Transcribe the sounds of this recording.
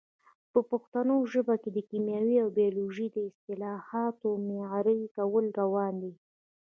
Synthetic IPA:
pəpoxt̪anoʒəbaked̪əkimjɑwiawbijɑloʒid̪əɪst̪ɪlɑhɑt̪omeɾəjkawəlɾawɑnd̪i

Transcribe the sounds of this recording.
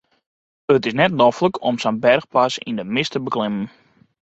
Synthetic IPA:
ətɪsnɛtnofləkʰɔmsənbɛrxpasḭndəmɪstəbəklɪmən

